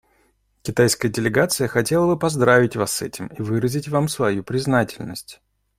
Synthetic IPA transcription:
kʲɪt̪ajskəjədʲɪlʲɪɡat̪sɨjəxɐtʲe̞lˠəbɨpɐzd̪ɾavʲɪtʲvasːɛtʲɪmivɨɾəzʲɪtʲvamsvɐjupɾʲɪznatʲɪlʲnəsʲtʲ

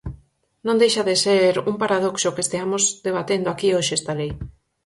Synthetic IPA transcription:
nõnd̪ejʃaðeseɾuŋpaɾaðoksokest̪eamozðeβ̞at̪end̪oakioʃɪest̪alej

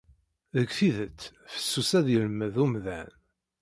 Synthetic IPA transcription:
ðəkθiðət͡sː | fə̥sːusæðjəlməðumðæ̰n

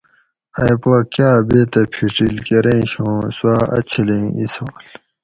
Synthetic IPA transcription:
ɐjpakjaːbet̪ɐpʰiʈilkeɾẽːɕõːswaːɐ̰t͡ɕʰilĩisoːl

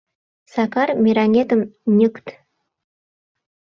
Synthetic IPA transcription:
sɑkɑrmʲiɾɑnʲet̪ə̆mnʲəkt̪

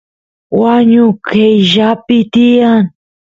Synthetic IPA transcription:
waɲʊkejʒapɪt̪ijan

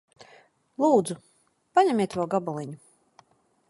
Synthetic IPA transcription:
lˠuːd̪zu | paɲamʲiɛt̪vawɡabɔlˠiɲu

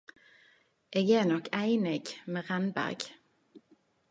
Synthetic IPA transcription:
ʔeːɡeːnɔkʰæɪnɪɡmeːʁænbæ̰ʁɡ

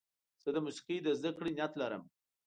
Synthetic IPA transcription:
z̥əd̪əmusi̥qijd̪əzd̪akɽinjat̪laɾə̰m

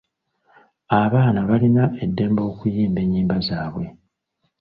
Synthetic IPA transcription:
aβaːnaβalinaʔe̞dːe̞ːmbo̞ːkujiːmbe̞ɲːiːmbazaːβwe̞

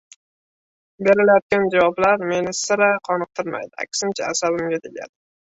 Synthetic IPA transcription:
be̞ɾɪlajɒt̪̚kʲand͡ʒavɒblaɾme̞nɪsɪɾaqʰɒnɨq̚t̪ʰɪɾma̰jd̪ɪa̰kʲʰsɪmt͡ʃʰaːsabɪmɡʲat̪ʰeɡʲa̰d̪ɪ

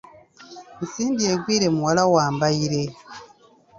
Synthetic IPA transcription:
misiːndije̞ɡwiːɾe̞muwalawaːmbaiɾe̞

